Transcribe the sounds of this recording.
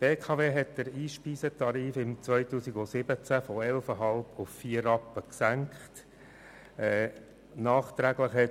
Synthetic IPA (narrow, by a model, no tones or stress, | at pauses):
peːkʰɑveːɦɛtdəɾiːʃpiːsətʰɑɾiːfɪmt͡sʋœjtuːsiɡosɪb̥ət͡sæfɔɛlfəɦɑlbʊffiːəɾɑpːəksæŋkχt | ɛː | nɑːχt̪ɾæɡləχhɛ